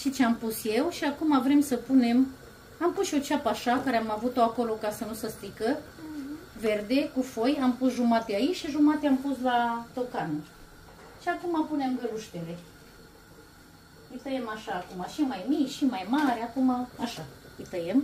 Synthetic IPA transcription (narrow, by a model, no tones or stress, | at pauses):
ʃit͡ʃeampusje̞wʃiakumavɾe̞msəpune̞m | ampusʃio̞t͡ʃapaʃakaɾeamavut̪o̞ako̞lo̞kasənusəst̪ɾikə | ve̞rd̪e̞kufo̞jampusʒumat̪eait͡ʃʃiʒumat̪eampuslat̪o̞kanu | ʃiakumapune̞mɡəluʃt̪ele̞ | ɨjt̪əjemaʃaːkumaʃimajmikʃimajmaɾʲakumaaʃaɨjt̪əjem